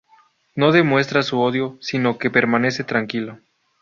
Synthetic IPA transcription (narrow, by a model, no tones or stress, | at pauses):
no̞ðe̞mwe̞st̪ɾasuo̞ðjo̞sino̞ke̞pe̞ɾmane̞se̞t̪ɾaŋkilo